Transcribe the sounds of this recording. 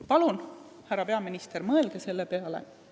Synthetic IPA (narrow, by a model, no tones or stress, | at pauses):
pɑlun | hærːɑpe̞ɑminist̪eɾmɤelɡ̥ese̞lːepe̞ɑlḛ